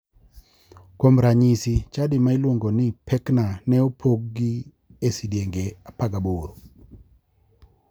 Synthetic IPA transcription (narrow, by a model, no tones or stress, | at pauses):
komɾaɲisit͡ʃadɪmaɪlwoŋɡɔnɪpʰɛknanɛopʰoɡ̚ɡi | esidjeŋɡeapaɡaboɾo